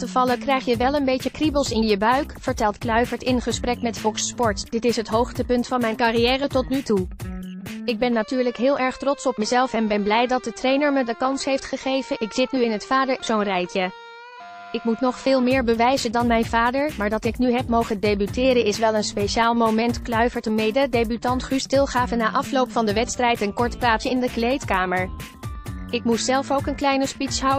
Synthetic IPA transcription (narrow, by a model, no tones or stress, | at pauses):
təv̥ɑləkrɛjχjəʋɛlˠənbejcəkribəlˠsɪnjəbœɥkfəɹtɛlˠtklœɥvəɹtɪnχəsprɛkmɛtfɔkspɔɹtd̥ɪtɪsɦətɦowχtəpɵntfɑnmɛjnkarijɛːrətɔtnytu | ɪɡ̚bɛnːatyːɹləkɦɪːlˠʔɛɹχtrɔtsɔp̚məzɛlˠfɛnbɛnblɛjdɑt̚dətrejnəɹmədəkɑnsɦejftχəχejvənʔɪkz̥ɪtnyɪnɦətfaːdəɹz̥onrɛjtə | ɪkmutnɔχfɪːlˠmɪːɹbəʋɛjzədɑnmɛjnvaːdəɹmaːɹdɑtɪknyɦɛp̚mowχəndejbytɪːɾənɪsʋɛlˠənspejʃaːlˠmowmɛntklœɥvəɹtəmejdədejbytɑntχystɪlˠχaːvənːaːʔɑflowpfɑndəʋɛtstrɛjtənkɔɹtplaːtsəɪndəklejtkaːməɹ | ɪk̚mutsɛlˠfowkənklɛjnəspitsɦaw